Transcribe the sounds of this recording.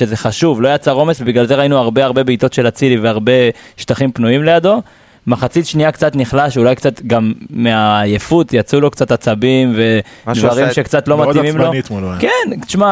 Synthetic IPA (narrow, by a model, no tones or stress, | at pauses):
ʃeze̞χaʃuvlo̞jat͡saʁo̞me̞svebiɡlalze̞ʁainuaʁbeaʁbe̞beit̪o̞t̪ʃe̞lat͡siliveaʁbe̞ʃtaχimpnuimle̞jado̞ | maχat͡sit̪ʃniakt͡sat̪niχlaʃulajkt͡sat̪ɡamːeajefut̪jat͡sulo̞kt͡sat̪at͡sabimve̞d̪vaʁimʃekt͡sat̪lo̞mat̪imimlonit̪mokenʃma